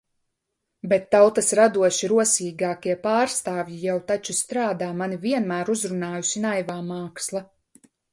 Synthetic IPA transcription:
bɛt̪ːawt̪asɾad̪uɔʃiɾuɔsiːɡaːkiɛpaːɾst̪aːvjijawt̪at͡ʃust̪ɾaːd̪aːmaniviɛnmæːɾuzɾunaːjusinajvaːmaːkslˠa

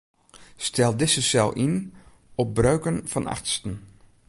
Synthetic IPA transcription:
stɛlˠdɪsəsɛlˠʔin | ɔp̚brœɥkənfɔna̰χtstən̩

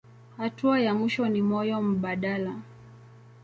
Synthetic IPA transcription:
hatuajamiʃɔnimɔjɔm̩ɓaɗala

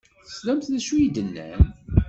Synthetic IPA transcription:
θə̥slæmθðæʃujid̪ənːæ̰n

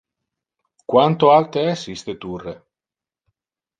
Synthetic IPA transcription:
kwant̪oalt̪eɛsist̪et̪urːe

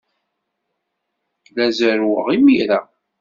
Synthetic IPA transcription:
læzəɾwəʁimiɾæ

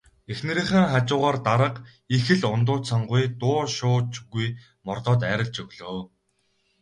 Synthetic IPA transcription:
exnɘ̆ɾĭːɴχĕːŋχat͡ɕʊːʁaːrt̪aɾə̆q | ixɘ̆ɮʊnt̪ʊːsaɴɢʊjt̪ʊːʃʊːt͡ɕɣuj | mɔrt̪ɔːt̪æːɾə̆ɮt͡ɕɵɣɮ̥oː

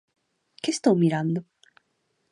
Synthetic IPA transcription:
kest̪oːmʲiɾãnd̪o

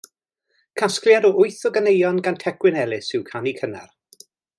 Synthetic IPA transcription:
kʰaskljadɔʔʊɨθɔɡənejɔnɡantʰɛkwɪnɛlˠɪsɪwkʰanikʰənɛ̰r

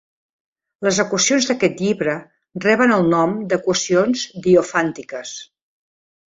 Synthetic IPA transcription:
ləzəkwəsionzðəkɛt̪ʎiβɾə | rɛβənəlˠnɔmd̪əkwəsionzd̪iofant̪ikəs

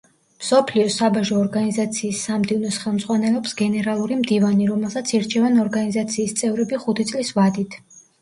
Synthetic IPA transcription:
msɔpʰliɔsabaʒɔːɾɡanizat̪sʰiːsːamd̪ivnɔsχɛlˠmd̪z̥ʁwanɛlɛpsɡɛnɛɾalˠuɾimd̪ivaniɾɔmɛlˠsat̪sʰiɾt͡ʃʰɛvanɔɾɡanizat̪sʰiːst̪sʼɛvɾɛbiχut̪ʰit̪sʼlisvad̪it̪ʰ

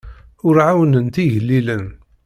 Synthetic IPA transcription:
ʊɾʕawənənt̪iʝəlːilən

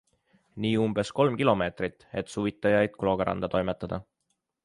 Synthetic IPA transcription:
niːumb̥esko̞lmkilo̞me̞ːt̪rit̪ːe̞t̪ˑsuvit̪ːˑɑjɑjd̪̥̚klo̞ːɡ̥eɾʔɑ̰nd̪̥ɑt̪o̞jmet̪ːˑɑd̪̥ɑ

